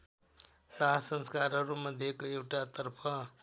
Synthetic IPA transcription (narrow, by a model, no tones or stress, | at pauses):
t̪aɦsənskaɾɦʌɾumʌd̪ʱjekoewʈat̪ʌɾpʰʌ